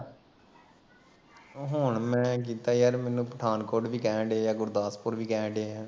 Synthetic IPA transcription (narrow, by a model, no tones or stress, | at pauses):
ɦʊɳmɛ̃ːk̬iːt̪aːjəɾmɛːnũːpəʈʰaːnkoːʈʋiːkɛ̃ːɖejaːɡʊɾd̪aːspʊɾʋiːkɛ̃ːɖeːɛː